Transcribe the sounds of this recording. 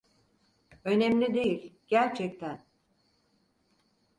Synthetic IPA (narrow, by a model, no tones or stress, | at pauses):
ø̞nɛmlʲid̪e̞jilʲɟ̥æɾt͡ʃʰɛc̚t̪ʰæn